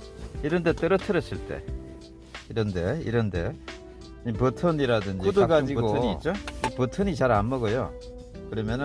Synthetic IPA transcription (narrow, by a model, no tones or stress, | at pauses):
iɾʌnde̞t͈ɯɾʌtʰɯɾʌs͈ɯɭt͈e̞̰ | iɾʌnde̞ḭɾʌnde̞ | ipɯtʰʌniɾadɯnd͡ʑkiudoɡad͡ʑiuɡotɯniːt͡ɕ͈oipɯtʰɯɲit͡ɕaɾanmʌɡojo̰ | kɯɾʌmjʌnɯ